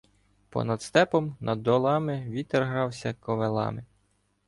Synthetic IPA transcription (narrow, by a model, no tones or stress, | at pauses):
pɔ̰nɐd̪st̪ɛpɔmnʔɐd̪ːɔlˠɑmɪʋʲit̪ːerɦɾɑwsʲɐkɔʋelˠɑ̰mɪ